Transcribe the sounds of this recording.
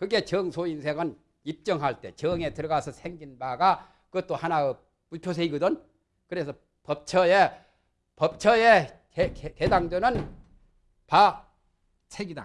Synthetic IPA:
kɯɡe̞t͡ɕʌŋsʰoinsʰe̞ŋɯn | ip̚t͡ɕ͈ʌŋɦaɭt͈e̞t͡ɕʌŋe̞tɯɾʌɡasʰʌsʰeŋɡinbaɡa | kɯʌt̚t͈ohanaɡɯ | puɭpʰjos̬ʰeiɡɯdʌn | kɯɾe̞sʰʌ | pʌp̚t͡ɕʰʌje | pʌp̚t͡ɕʰʌje | ekekedaŋdonɯn | pa | sʰeɡida̰

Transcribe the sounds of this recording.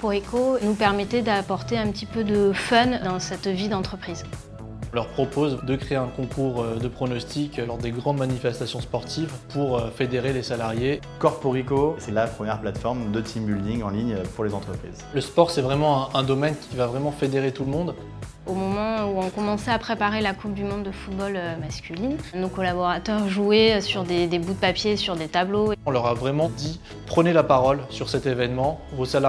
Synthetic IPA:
pɔʁikonupɛʁmɛt̪ɛd̪apɔʁt̪eɛ̃pət̪ipød̪əfœnd̪ɑ̃sɛt̪vid̪ɑ̃t̪χəpχiz | ɔ̃lœʁpχɔpozd̪əkχeeɛ̃kɔ̃kʰuʁd̪əpχɔnɔst̪iklɔʁd̪eɡʁɑ̃d̪manifɛst̪asjɔ̃spɔʁt̪ivpuʁøfed̪eʁelesalaʁje | kɔʁpuʁikosɛlapχəmjɛʁplat̪fɔʁmd̪ət̪ʰimbyld̪ĩŋɡɑ̃liɲpuʁlezɑ̃t̪χəpχḭzləspɔʁsɛvʁɛmɑ̃ɛ̃ɛ̃d̪ɔmɛnkʲʰivavʁɛmɑ̃fed̪eʁet̪ulmɔ̃d̪ | omɔmɑ̃uɔ̃kɔmɑ̃sɛapχepaʁelakup̚d̪ymɔ̃d̪d̪əfut̪̚bɔlømaskʲylinnokɔlabɔʁat̪œʁʒuesyʁd̪ed̪ebud̪əpapjesyʁd̪et̪abloɔ̃lœʁavʁɛmɑ̃d̪i | pχənelapaʁɔlsyʁsɛt̪evɛnmɑ̃vosal

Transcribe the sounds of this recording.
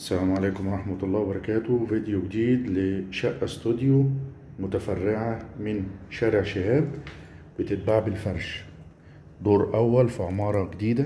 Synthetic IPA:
ʔsːælæːmʕaleːkʊmɑɾˤɑħmɑt̪ɑlˤːɑːwbɑɾˤɑkæːt̪ʊvid̪juɡɪd̪iːd̪lɪʃæʔːæst̪ud̪ju | mʊt̪æfarˤːɪʕamɪnʃæːɾɪʕʃɪhæːb̚ | wɪt̪ɪt̪̚baʕbɪlfɑɾˤʃ | d̪ˤoːɾʔæwːælfiʕʊmɑːɾˤɑɡɪd̪iːd̪æ

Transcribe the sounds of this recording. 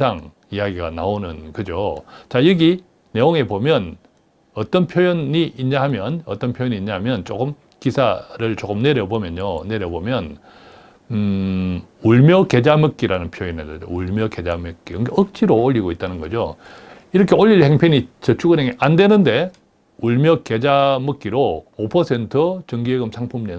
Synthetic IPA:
saŋ | ijaɡiɡanaonɯnkɯd͡ʑot͡ɕajʌɡi | ne̞oŋe̞bomjʌn | ʌt͈ʌnpʰjojʌniʔiɲɲahamjʌnʌt͈ʌnpʰjojʌɲiɲaɦamjʌnt͡ɕ͈okɯm | kisʰaɾɯɭt͡ɕ͈okɯmne̞ɾjʌbomjʌnone̞ɾjʌbomjʌn | uɭmjʌke̞d͡ʑamɯk͈iɾanɯnpʰjojinedeo̰uɭmjʌke̞d͡ʑamɯk͈ikɯŋkʰeɯk̚t͡ɕ͈iɾooʎːiɡoit͈̚anɯnɡʌd͡ʑo | iɾʌkʰe̞oʎːiɭheŋpʰeɲit͡ɕʌt͡ɕʰuɡɯneŋeʔande̞nɯnde̞ | uɭmjʌke̞d͡ʑamɯk͈iɾoopʰʌsʰe̞ntʰɯt͡ɕʌŋɡieɡɯmsʰaŋpʰumne

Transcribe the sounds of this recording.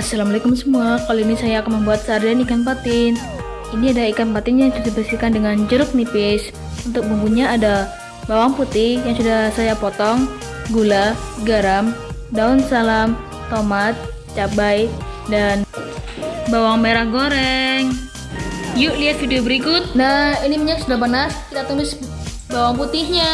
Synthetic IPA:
asalamalakʊmsəmuakaloinisajaːkanməmbuat̪̚sardanikanp̬at̪ɪn | iniadaikanpat̪ɪnjaŋsusibəsikandəŋand͡ʒəɾʊk̚nipɪs | unt̪ʊk̚buŋbuɲaːda | bawaŋput̪ɪhjaŋsudahsajapɔt̪ɔŋ | ɡulaɡaɾamdaʊnsalam | t̪omat̪̚ | t͡ʃabajdan | bawaŋmeɾahɡoɾɛŋ | juʔliɦat̪̚fidiobəɾikʊt̪̚nahinimiɲak̚sudahpənaskit̪at̪ulɪs | bawaŋput̪ɪhɲa

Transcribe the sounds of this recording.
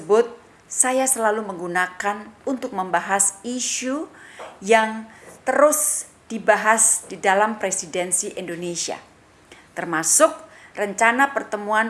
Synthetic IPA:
əbʊt̪̚ | sajasəlaluməŋɡunakanunt̪ʊk̚məmbaɦasiʃujaŋt̪əɾʊs | d̥ibaɦasdidalampɾesidɛnsiʔindonesia̰ | t̪ərmasʊk̚rəɲt͡ʃanapərt̪əmuan

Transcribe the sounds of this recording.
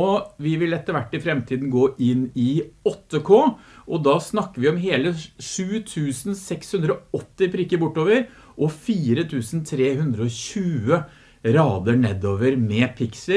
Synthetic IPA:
ɔʋɪʋɪlɛt̪ːəɾʋæʈːɪfɾɛmt̪ʰiːd̪n̩ɡoːʔɪnɪɔt̪ːəkʰoːʔɔd̪ɑːsnɑkːəʋɪɔmɦeːləʂʉːt̪ʰʉːsn̩sɛkshʉnd̪ɾɔɔt̪ːɪpʰɾɪkːəɾbʊʈːoːʋəɾ | ʔɔfiːɾət̪ʰʉːsnt̪ʰɾeːhʉnd̪ɾəɔɕʉːə | ɾɑːd̪əɳɛd̪oːʋəɾmɛpʰɪksə

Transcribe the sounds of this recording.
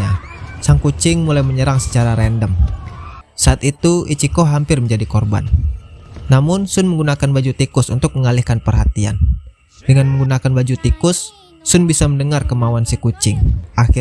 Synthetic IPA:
asaŋkut͡ʃɪŋmulajməɲəɾaŋsə̥t͡ʃaɾaɾɛndəm | saat̪it̪uʔit͡ʃikɔɦampɪrməɲd͡ʒadikɔrba̰nː | amʊnsʊnməŋɡunakanbad͡ʒut̪ikʊsunt̪ʊk̚məŋalihkanpərɦat̪ia̰n | dəŋanməŋɡunakanbad͡ʒut̪ikʊsː | ʊnbisaməndəŋarkəmauansikut͡ʃɪŋʔak

